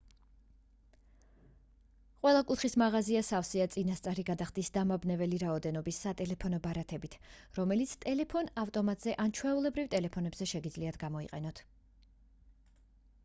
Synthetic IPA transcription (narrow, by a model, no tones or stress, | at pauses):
qʼwɛlˠakʼut̪ʰχismaʁaziasafsiat̪sʼinast̪sʼaɾiɡad̪aχd̪isd̪amabnɛvɛliɾaɔd̪ɛnɔbisːat̪ʼɛlɛpʰɔnɔbaɾat̪ʰɛbit̪ʰɾɔmɛlit̪sʰt̪ʼɛlɛpʰɔnaft̪ʼɔmat̪ʼz̥ɛʔant͡ʃʰwɛulˠɛbɾivt̪ʼɛlɛpʰɔnɛbz̥ɛʃɛɡid̪zliat̪ʰɡamɔḭqʼɛnɔt̪ʰ